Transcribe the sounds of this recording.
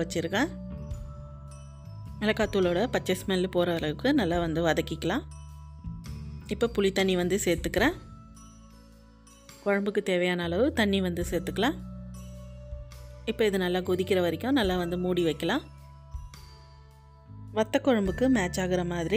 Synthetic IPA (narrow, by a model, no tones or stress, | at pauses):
ʋɐt͡ʃːɪɾɯkːɐ̃ | ɪlɐkːaːt̪ːuːloːɽɐpɐt͡ʃːɐsmɛllpoːɾɐʋɐlɐɣɯkːɯnɐlːaːʋɐnd̪ɯʋɐðɐkːɪkːɐlãː | ɪpːoːpʊlɪt̪ːɐɳːiʋɐnd̪ɯseːɾt̪ːɯkːɪɾɛ̃ː | kɔɻɐmbɯkːɯt̪eːʋɐjaːnɐːlɐʋɯt̪ɐɳːiʋɐnd̪ɯseːɾt̪ːɯkːɐlãː | ɪpːoːɪðɯnɐlːaːɡʊðɪkːɪɾɐʋɐɾɪkːʊ̃nɐlːaːʋɐnd̪ɯmuːɽiʋɐɪkːɐlãː | ʋɐt̪ːɐkːɔɻɐmbɯkːɯmaːt͡ʃːaːɣɪɾɐmaːðɪɾi